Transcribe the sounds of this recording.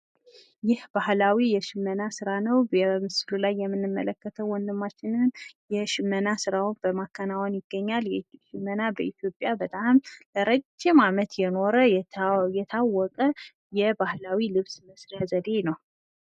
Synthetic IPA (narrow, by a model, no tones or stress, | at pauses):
jɪhb̥ahlawijɛʃɪmːənasɨɾanəwɛmɨslulajːɛmːɨnːɨmːələkːət̪ʰəwːɔnd̪ɨmːat͡ʃːɪnɨnjɛʃɪmːənasɨɾawnbəmakʰːənawɔnjɪɡ̥ːəɲːaljɛʃɪmːənabəʔit̪ʰjo̞pʼjabət̪ʼamləɾəd͡ʒːɪmamət̪jɛno̞ɾəjɛt̪ʰawːɔkʼə | jɛbahlawilɨβsməsɾazəd̪e̞nəw